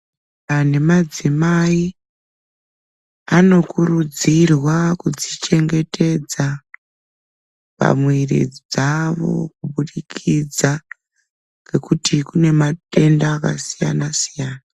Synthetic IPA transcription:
ane̞mad͡zimai | ano̞kurud͡zirwakud͡zit͡ʃe̞ŋɡe̞tʰe̞d͡za | pa̰mwerḭd͡zaʋo̞̰k̚uɓuɗikʰid͡za | ŋɡe̞kutikune̞mate̞ndaːkasija̰nasijaːna

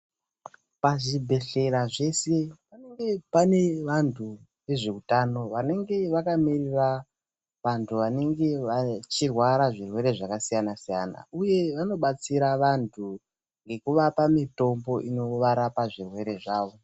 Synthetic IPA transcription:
paʐibʱe̞ɬe̞ɾaʐe̞se̞pane̞ŋɡe̞pane̞ʋantʰu | ʋe̞ʐeutano̞ʋane̞ŋɡe̞ʋakamirira | ʋantʰuʋane̞ŋɡe̞ʋat͡ʃirwaɾaʐirwe̞ɾe̞ʐakasijanasijana̰uje̞ʋano̞ɓat͡siɾaʋantʰu | ŋɡe̞kuʋapamito̞mbo̞ʔino̞ʋaɾapaʐirwe̞ɾe̞ʐaːʋo̞

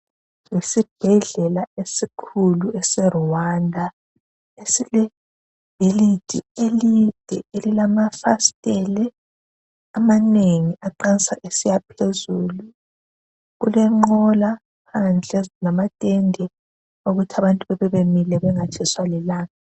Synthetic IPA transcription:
wesib̥ʱɛɮɛlaesikʰuluɛsɛruwandʱa | esilɛ | b̥ʱelid̥ʱḭelid̥ʱɛelilamafastʼɛlɛ | amaneŋiʔaǃansa̰ʔesijapʰezulu | ɣulɛŋ͡ǃɔla | pʰand͡ɮʱɛnamatʼɛndʱɛ | oɣutʰaβantʼuβɛβɛβemilɛβɛŋat͡ʃʰiswaliɛlaːŋa

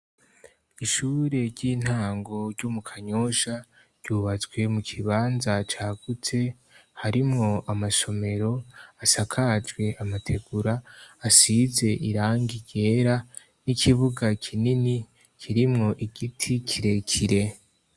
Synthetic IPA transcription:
iʃuːɾe̞ɾɟiːn̥haːŋɡo̞ɾɟumukʰaɲo̞ʃa | ɾɟuːβat͡sɡwe̞mukʰiβaːnzat͡ʃaːɡ̥ut͡sʰe̞ | haɾimŋo̞amaso̞me̞ɾo̞asakʰad͡ʒɡwe̞ʔamatʰe̞ɡuɾaːsize̞ʔiɾaːŋɡiɡ̥e̞ːɾa | nikʰiβuɡakʰinini | kʰiɾimŋo̞ʔiɡ̥itʰikʰiɾe̞kʰiɾe̞

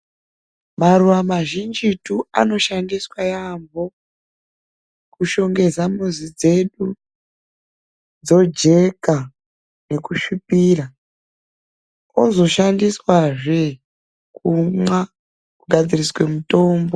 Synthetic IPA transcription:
maɾuwamaʒind͡ʒitua̰no̞ʃandiswajambo̞ | kuʃo̞ŋɡe̞zamuzid͡ze̞ɗu | d͡zo̞d͡ʒe̞ka | ne̞kuʃupiːra | ozo̞ʃandiswaʐe | kumwa | kuɡʱad͡ziriswe̞muto̞ːmbo

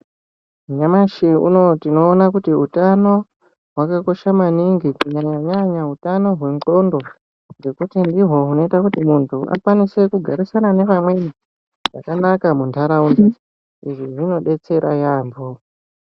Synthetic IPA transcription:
ɲamaʃiṵno̞tino̞ːnakutiutano̞ | ɦwakako̞ʃamaniŋɡikuɲaɲaɲaɲautano̞ɦwe̞ŋko̞ndo̞ | ŋɡe̞kutindiɦo̞uno̞itakutimuntʰuʔa̰kwanise̞kuɡʱaɾisanane̞ʋamwe̞i | ʐakanakamuntʰaɾaunda | iʐiʐino̞ɗe̞t͡se̞ɾajaːmbo

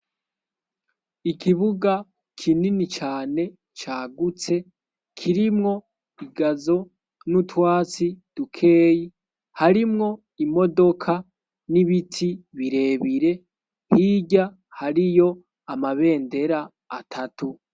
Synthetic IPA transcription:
ikiβuɡa | kʰininit͡ʃaːne̞ | t͡ʃaːɡut͡se̞ | kʰiɾimŋo̞ | iɡazo̞ | nutwaːt͡sid̥ukʰe̞ːji | haɾimŋo̞ | imo̞do̞kʰa | niβitʰiβiɾe̞ːβiɾe̞ | hiɟa | haɾijo̞ | amaβe̞ːnde̞ɾaː | tʰatu

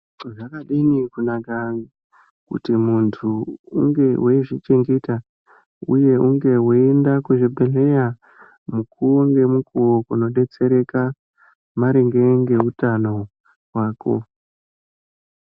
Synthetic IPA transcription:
ʐakaɗinikunaka | kṵtimuntʰuṵŋɡe̞weʐit͡ʃe̞ŋɡe̞ta | ṵje̞uŋɡe̞woendakuʐibʱele̞ja | mukʰuŋɡe̞mukʰuwokuno̞ɗe̞t͡se̞ɾe̞ka | maɾiŋɡe̞ŋɡe̞utano̞ | ɦwaːko̞̰

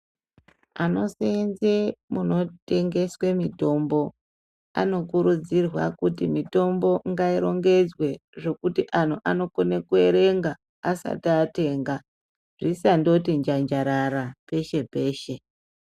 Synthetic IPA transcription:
ano̞senzemuno̞te̞ŋɡe̞swe̞mito̞mbo̞ | a̰no̞kuɾud͡zirwakutimito̞mbo̞ŋɡaiɾo̞ŋɡe̞d͡zwe̞ʐe̞kutiʔan̤uʔano̞konekue̞ɾe̞ŋɡaː | sa̰tːte̞ːŋɡa | ʐ̥isando̞tind͡ʒand͡ʒaɾaɾape̞ʃe̞pe̞ːʃe̞

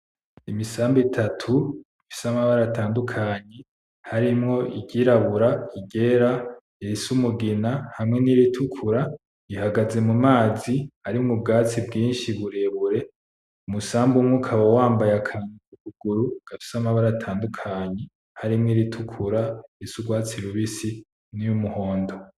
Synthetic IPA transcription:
imisaːmbitʰatʰuifi̥samaβaɾaːtaːndukʰaɲe | haɾimŋo̞ʔiɟiːɾaβuɾaiɟe̞ːɾa | iɾisumuɡinahamŋe̞niɾitʰukʰuɾa | ihaɡaze̞mumaːzihaɾimŋub̚ɡaːt͡sibɡiːnʃiβuɾe̞βuɾe̞ | umusaːmbumŋukʰawowaːmbajakʰaɲukukuɡ̥uɾuɡ̥afi̥samaβaɾatʰaːndukʰaɲe | haɾimŋiɾitʰukʰuɾaiɾisuɡwaːt͡siɾuβisi | nijumuho̞ːndo̞

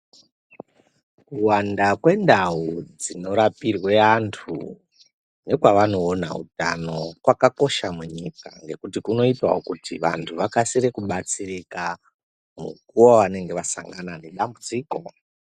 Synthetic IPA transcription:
kuwandakwe̞ndaud͡zino̞ɾapirwe̞antʰṵ | ne̞kwaʋano̞ːna̰ṵtano̞kwakako̞ʃamuɲika̰ŋɡe̞kutikuno̞itwa̰okutiʋa̰ntʰuʋakasiɾekuɓat͡sirika | mṵkuaoʋane̞ŋɡe̞ʋasa̰ŋɡanane̞ɗambud͡ziːko̞

